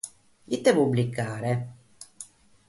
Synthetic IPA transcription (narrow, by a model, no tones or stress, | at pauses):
jit̪ːepublikːaːɾe